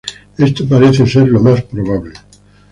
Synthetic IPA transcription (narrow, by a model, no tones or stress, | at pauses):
est̪opaɾeθese̞ɾlomaspɾoβ̞aβle